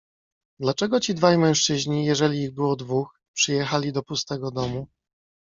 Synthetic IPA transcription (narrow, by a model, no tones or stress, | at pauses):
d̪lat͡ʂɛɡɔt͡ɕid̪vajmɛ̃w̃ʂt͡ʂɘʑɲijɛʐɛlʲiːɣbɘwɔd̪vux | pʂɘjɛxalʲid̪ɔpust̪ɛɡɔd̪ɔmu